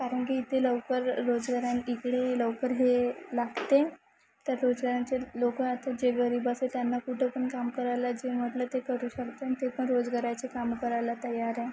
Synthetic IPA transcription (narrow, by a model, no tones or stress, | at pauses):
kaɾəɳkiːt̪ʰeləʋkəɾːod͡zɡaɾjanikɽeləʋkəɾɦelaɡt̪e | t̪əɾɾod͡zɡaɾjat͡selokəat̪ad͡ʑeɡəɾiːbəset̪janːakuʈʰəpəɳkamkəɾajlad͡ʑem̤əʈlət̪ekəɾuːɕəkt̪eanit̪epəɳɾod͡zɡaɾjat͡sekamkəɾajlat̪əjaɾɛ